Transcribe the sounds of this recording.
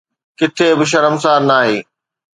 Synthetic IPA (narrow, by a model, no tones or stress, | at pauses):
kɪt̪ʰebɪʃ̬ɐɾəms̬aːɾnaːɦeː